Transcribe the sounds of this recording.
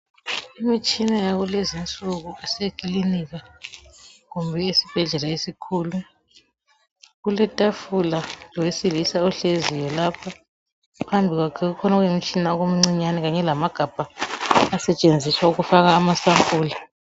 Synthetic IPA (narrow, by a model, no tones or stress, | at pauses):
imit͡ʃʼinajaɣulezint͡sʼuɣuɛsekʼiliniɣa | ɣumbʱɛesib̥ʱɛɮɛlaesikʰuːlu | ɣulɛtʼafulalɔwesilisauɬezijɔlapʰa | pʰambʱiɣwakʰɛɣukʰɔnaɣwimit͡ʃʼinaɔɣom̩ŋ͡ǀiɲanɛɣaɲɛlamaɡ̥ʱab̥ʱaː | sɛt͡ʃʼend͡zʱiswauɣufaɣaːmasampʼuːla